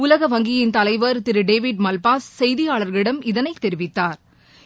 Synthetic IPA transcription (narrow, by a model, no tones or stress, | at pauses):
ʊlɐɣɐʋɐŋɡɪjɪnt̪ɐlɐɪʋɐɾt̪ɪɾɯɖeːʋɪɖmɐlpaːssɛjðɪjaːɭɐɾɣɐɭɪɽɐmɪðɐnɐɪt̪ːɛɾɪʋɪt̪ːaːɾ